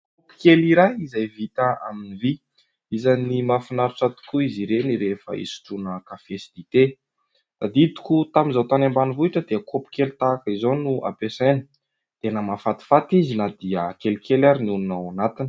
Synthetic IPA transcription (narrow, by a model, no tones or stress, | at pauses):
kkkopi̥keliɾajizajvit̪aa̰minivi | izanimafinaɾut͡sat̪u̥kuiziɾeniɾefə̰ḭsu̥ʈ͡ʂunəkafesid̪it̪e | d̪̥ad̪it̪u̥kut̪aminzawt̪anambanivuiʈ͡ʂəd̪eəkʰopi̥kelit̪aːkəizonuʔa̰pesejnə̥ | d̪̥enəmafat̪i̥fat̪izinad̪iəkelkelaɾinununawanat̪ini̥